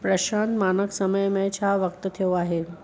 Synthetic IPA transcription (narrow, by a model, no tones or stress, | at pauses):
pɾɐʃãːnt̪maːnəksɐməjmẽt͡ɕʰaʋɐk̚t̪t̪ʰijoaːɦe